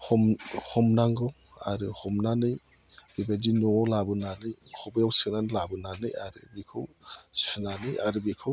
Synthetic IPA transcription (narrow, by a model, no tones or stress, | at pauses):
hɔmhɔmnaŋɡɯw | a̰ɾɯhɔmnanɯj | bibazinɔlabɯnanɯjkʰɔbɯjawsɯnanɯlabɯnanɯjaɾɯ̰bikʰɯwsɯnanɯjaɾɯbikʰɯw